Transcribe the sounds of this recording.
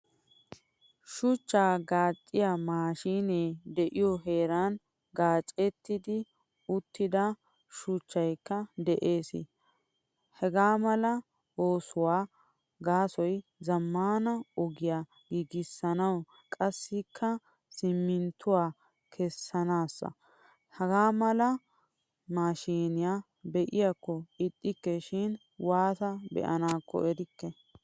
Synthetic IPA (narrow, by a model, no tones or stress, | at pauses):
ʃʊt͡ʃːaːɡaːt͡ʃʼːɪjamaːʃiːneːd̪ɛʔɪjɔɦe̞ːɾɐn | ɡaːt͡ʃʼɛt̪ːɪd̪ɪ | ʊt̪ːɪd̪ɐ | ʃʊt͡ʃːɐjkːɐd̪ɛʔe̞ːsɪ̰ | hɛɡaːmɐlɐ | oːsʊwaː | ɡaːsɔjzɐmːaːnɐɔɡɪjaː | ɡiːɡɪsːɐnɐw | kʼɐsːɪkʰːɐ | sɪmːɪnt̪ʰʊwaː | kʰɛsːɐnaːsːɐ̰ | hɛɡaːmɐlɐ | maːʃiːnɪja | bɛʔɪjakːɔɪt̪ʼːɪkːɛʃɪn | waːsɐbɛ̰ʔɐ̰naːkːɔ̰ʔɛɾɪkːɛ